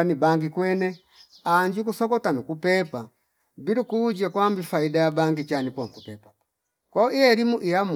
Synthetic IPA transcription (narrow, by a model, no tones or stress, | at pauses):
anibaŋɡikwɛnɛ | aɲd͡ʒukusɔkɔtanukupɛpa | biɾukuːd͡ʒakwambifaidajabaŋɡit͡ʃanipɔŋkupɛpḁ | kɔiɛɾimuʔijam